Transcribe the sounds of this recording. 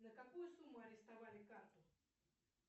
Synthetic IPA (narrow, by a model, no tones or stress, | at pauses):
nɐkakuesumoaɾest̪aβalekat̪o